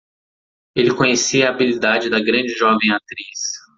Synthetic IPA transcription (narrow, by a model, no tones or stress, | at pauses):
elɪkõɲesiɐːbilid̪ad͡ʒɪd̪ɐɡɾɐ̃d͡ʒɪʒɔvẽj̃at̪ɾis